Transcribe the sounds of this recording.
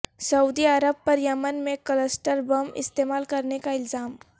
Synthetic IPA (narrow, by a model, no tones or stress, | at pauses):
sɐud̪iəɾəb̚pɐɾjɐmənmẽkələsʈəɾbɐmɪ̰st̪eːmaːlkɐɾnekaɪlzaːm